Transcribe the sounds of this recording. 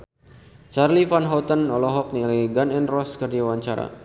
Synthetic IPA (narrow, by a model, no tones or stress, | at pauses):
t͡ʃarlifanɦɔt̪ənɔlɔɦɔk̚nilaɡanɛnrɔskərd͡ʒawaɲt͡ʃaɾa̰